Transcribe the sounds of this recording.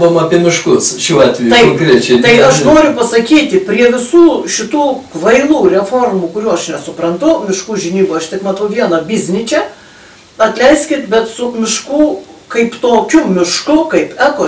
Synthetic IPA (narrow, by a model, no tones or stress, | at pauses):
bɐmɐpʲiɛmʲɪʃkʊsʃʲuːɑːt̪ʲʋʲɛjt̪ɐɪoŋŋkɾʲit͡ʃʲɛɪt̪ɐɪɐʃnoːɾʲʊpɐsɐkʲiːt̪ʲɪpʲrʲiɛʋʲɪsuːʃʲɪt̪uːkʋɐɪlˠuːrʲɛfoːrmukʊɾʲuːɐʃnʲɛsʊpɾɐnt̪ʊmʲɪʃkuːʒʲɪnʲiːboːɐʃt̪ʲɪkmɐt̪ɐʊʋʲiɛnɐbʲɪzʲnʲɪt͡ʃʲɛ | ɐt̪ʲlʲɛɪsʲkʲɪt̪bʲɛt̪sʊmʲɪʃkuːkɐɪpt̪oːkʲʊmʲɪʃkʊkɐɪpɛko